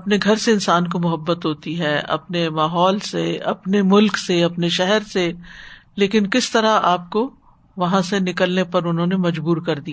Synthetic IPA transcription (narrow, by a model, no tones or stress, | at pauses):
ɐpneɡʱɐɾseɪnsaːnk̬omʊɦəbːət̪ɦoːt̪iɦɛːɐ̰pnemaːɦɔːlseɐ̰pnemʊlkseɐpneʃɛɦɛɾseleːkɪnkɪst̪ɐɾaaːp̚ko | ʋɐɦãsenɪkəlnepɐɾʊnɦõːnemɐd͡ʒbuːɾkɐɾd̪ia